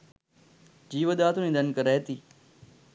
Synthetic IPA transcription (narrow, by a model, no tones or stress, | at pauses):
d͡ʑiːʋəd̪aːt̪ũnĩːd̪ənkəɾeːt̪iː